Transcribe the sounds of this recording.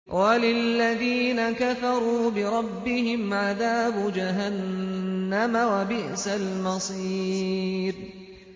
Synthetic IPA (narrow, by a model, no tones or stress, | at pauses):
walɪlːaðiːnakafɑɾˤuːbɪɾˤɑbːɪhɪmʕaðaːbʊd͡ʒaɦanː | amawabɪʔsalmɑsˤiːɾ